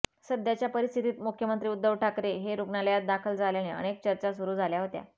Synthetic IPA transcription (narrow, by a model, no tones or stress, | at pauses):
səd̪jat͡ɕjapəɾist̪ʰit̪iːt̪mukʰjəmənt̪ɾiːud̪ːəʋʈʰakɾeɦeɾuɡɳaljat̪̚d̪akʰəld͡zaljaneə̰ɽ̃ek̚t͡ɕəɾt͡ɕasuɾuːd͡zʱaljaɦot̪ja̰